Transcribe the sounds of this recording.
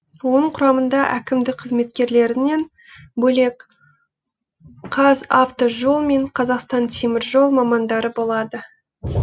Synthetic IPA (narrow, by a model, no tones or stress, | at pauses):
wo̞nəɴqʰʊɾɑmənd̪ɑʔækʲɪmd̪ɪk̚qʰəzme̞t̪̚kʲe̞ɾle̞ɾɪne̞n | bɵle̞k | qʰːɑzaft̪oʒo̞lˠme̞ɴqʰɑzɑqst̪ɑnt̪ʰemɪɾʒo̞lˠmɑmɑnd̪ɑɾəbo̞lˠɑd̪ə